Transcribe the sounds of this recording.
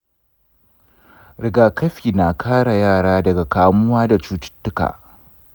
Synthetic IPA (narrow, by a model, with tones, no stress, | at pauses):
ɾɪ˨ɡaː˨kɐ˦ɸiː˨na˨kʰaː˦ɽa˨jaː˦˨ɽaː˦dɐ˨ɡa˨kaː˨mʊ˦waː˦da˨t͡ʃuː˦t͡ʃɪ̥˦tːʊ˦ka̰ː˨